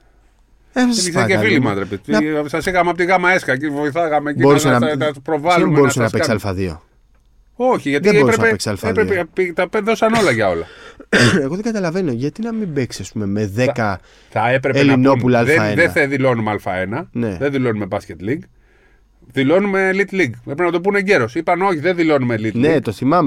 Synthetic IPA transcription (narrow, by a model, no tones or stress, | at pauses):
efsseefilimɐt̪ɾepet̪nɐsɐsiɣɐmeɐpot̪iɣɐmɐeskɐcivo̞iθɐɣɐmecbio̞ɾussenɐɐpɾovɐlumbo̞ɾusenɐpeksalfɐðio̞̰ | oçiʝɐt̪eoeɾupɾesnepeksɐalfɐðɾeepit̪ɐpeðo̞sɐno̞lɐʝɐo̞lɐ | eɣo̞ðeŋɡɐt̪ɐlɐve̞no̞ʝɐt̪inɐmimbeksɐspume̞meðe̞kɐ | θɐepɾeelino̞pulɐɐlðeɐeðeθeðilo̞numɐlfɐ̰e̞nɐneðenðilo̞nume̞bɐsce̞t̪liŋɡ | ðilo̞nume̞lit̪liɡpepinɐt̪o̞p̬uneɲɟe̞ɾosipɐno̞çiðeðilo̞numelit̪lnet̪oθimɐme